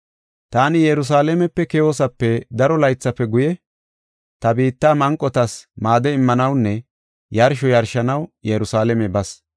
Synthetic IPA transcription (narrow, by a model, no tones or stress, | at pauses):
t̪aːnɪjɛɾʊs̬aːlɛmɛpːɛkɛjoːsɐpːɛd̪ɐɾɔlɐjt͡sːɐpːɛɡʊjɛ | t̪ɐbiːt̪ːaːmɐŋkʼːɔt̪ɐsmaːd̪ɛɪmːɐnɐwnːɛ | jɐɾʃɔjɐɾʃɐnɐwjɛɾʊsaːlɛmɛbɐs